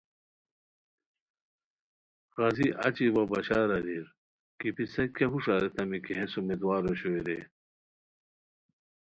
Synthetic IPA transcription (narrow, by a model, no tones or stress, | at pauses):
ɣɐziʔɐ̰t͡ɕiwɐbɐɕaːɾɐɾiɾ | kipisɐkʲeɦuʂaɾet̪ɐmikiɦesumed̪waːɾoɕoiɾe